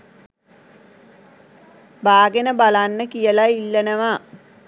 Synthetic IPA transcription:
baːɡenəbalanːəkijəlailːənəʋa

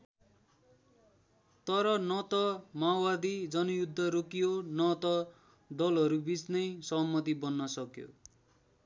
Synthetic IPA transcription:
t̪ʌɾʌnʌt̪ʌmawbad̪id͡zʌnujud̪ʱːʌɾokijonʌt̪ʌ | d̪ʌlɦʌɾubit͡snʌjsʌɦmːʌt̪̬ibʌnːʌsʌkjo̰

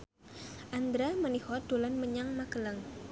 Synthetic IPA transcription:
ʔand̪ɾamənihɔd̪̥olanməɲaŋmakəlaŋ

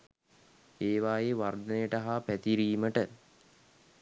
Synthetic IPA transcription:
eːʋaːjeʋard̪ənejəʈəɦaːpæt̪iɾiːməʈə

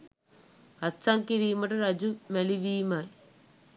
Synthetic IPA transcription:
ɐt͡sːaŋkiɾiːmɐʈɐɾɐd͡ʑumeliʋiːmaːj

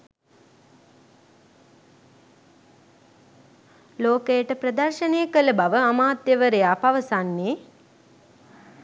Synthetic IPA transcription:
loːkejəʈəprəd̪ɐrʃəneːəkələbaʋəamaːt̪jəʋəɾejaːpaʋəsanːeː

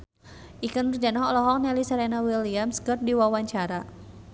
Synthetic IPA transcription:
ʔikənərd͡ʒanɔɦɔlɔɦɔk̚nɛlisaɾɛnawiliamskərdiwawaɲt͡ʃaɾa

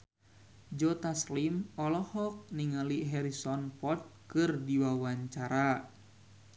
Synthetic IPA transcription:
d͡ʒɔt̪aslimɔlɔhɔk̚niŋəliɦɛɾisɔnpɔt̪̚kɨrdiwawaɲt͡ʃaɾa

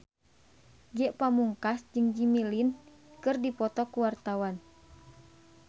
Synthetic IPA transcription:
ɡɛʔpamuŋkasd͡ʒɨŋd͡ʒimilin | kɨrdipɔt̪ɔkuwart̪awan

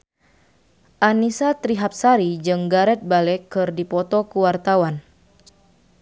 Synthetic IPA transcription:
ʔanisat̪ɾiɦap̚saɾid͡ʒɨŋɡaɾɛt̪̚balɛkːɨrdipɔt̪ɔkuwart̪awan

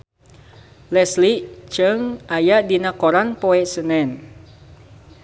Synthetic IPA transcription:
lɛsliʔt͡ʃəŋajaʔdinakoɾanpoɛʔsənɛn

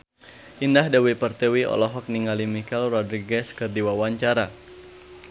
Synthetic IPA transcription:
ʔindahdawipərt̪ɛwiɔ̰lɔɦɔk̚niŋalimikɛlrɔdɾiɡɛskɨrdiwawaɲt͡ʃaɾa

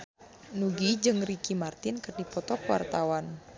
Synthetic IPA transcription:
nuɡid͡ʒɨŋrikimart̪ɪnkərdipɔt̪ɔkwa̰rt̪awan

